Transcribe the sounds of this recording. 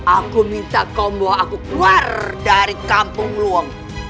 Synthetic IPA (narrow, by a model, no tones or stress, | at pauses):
ʔakumint̪akɔmblɔakukluardaɾikampʊŋluɔŋ